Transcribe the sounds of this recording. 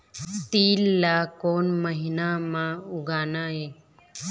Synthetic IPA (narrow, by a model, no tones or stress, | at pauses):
t̪iːlːaːkoːnməɦɪnamãʊɡʱaːnaːɦeː